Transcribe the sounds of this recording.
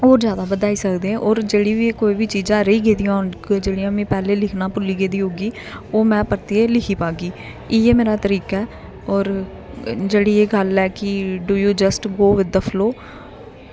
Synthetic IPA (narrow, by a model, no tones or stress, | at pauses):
oːd͡ʒjaːd̪aːbəd̪aːiːsəkd̪ẽːʔɔːɾd͡ʒeːɽiːʋikoːiːʋiːt͡ʃiːzãːɾəiːɡeːd̪ijãːnd͡ʒeːɽijãːmĩːpɛːleːlɪkʰnãːpʊlːiːɡeːd̪iːɦoːɡiː | oːmɛ̃ːpəɾt̪ieːlɪkʰiːpaːɡiː | ɪːeːmeːɾaːt̪əɾiːkɛː | ɔːɾ | d͡ʒeːɽiːeːɡəlɛːkɪɖuːjuːd͡ʒəsʈɡoːʋɪd̪əpʰəloː